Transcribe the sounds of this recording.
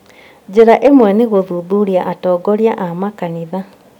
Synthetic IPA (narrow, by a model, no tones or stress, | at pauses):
d͡ʑeɾaʔemwɛneɣoðuðuɾjaʔatɔːɡɔɾjaʔamakaniða